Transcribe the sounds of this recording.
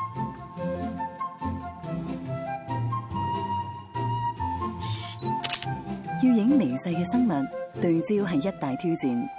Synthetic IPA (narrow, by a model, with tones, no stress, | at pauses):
ji˧wjɪ˨˥ŋme˨˩jsɐ˧jkɛː˧sɐ˥ŋmɐ˨t̚t̪ɵ˨˩t͡siː˥wɦɐ˨jːɐ˥t̚t̪aː˨jt̪ʰiː˥wt͡siː˨˩n